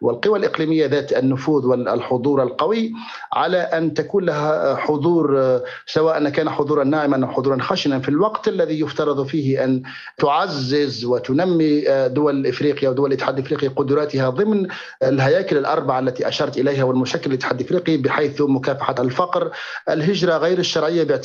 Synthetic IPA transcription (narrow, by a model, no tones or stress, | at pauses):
wɪ̰lqɨwalʔɪqliːmɪjːaðaːt̪anːʊfuːðwɪ̰lħʊd̪ˤuːɾˤalqɑwi | ʕa̰laʔant̪akuːnlahaħʊðˤuːɾ | sawaːʔanakaːnaħʊðˤuːɾˤɑnːaːʕɪmanʔawħʊdðˤuːɾˤɑnxaːʃɪnanfilwɑqt̪ʔalːaðijʊft̪ɑɾˤɑd̪ˤfiːhɪʔan | t̪ʊʕazːɪzwɪt̪ʊnamːid̪ʊwalɪlʔɪfɾiːqɪjʔawd̪ʊwalʔɪt̪ːɪħaːd̪lʔɪfɾiːqiqʊd̪ɾˤɑːt̪ɪhaðˤɨmn | ɪlɦajaːkɪlɪlʔɑ̰ɾˤbaʕaalːat̪iʔaʃɑːɾˤt̪ʔɪlajɦawɪlmʊʃaːkːɪlʔɪt̪ːɪħaːd̪lɪfɾiːqibɪħajθmʊkaːfaħalfɑqɾ | ʔɪlɦɪd͡ʒɾˤɑɣajɾɪʃːɑɾˤʕɪjːabɪʕ